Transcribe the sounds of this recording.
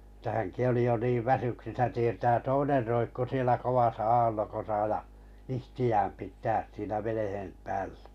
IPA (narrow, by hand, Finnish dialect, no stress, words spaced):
etːæ hæŋki oli jo niːʋ ʋæsyksisæ tietæː toiner roikːu sielæ koʋɑsɑ ɑːlːokosɑ jɑ ihtiæːm pitˑæːs siːnæ ʋenehem pæːl̥ːæ̥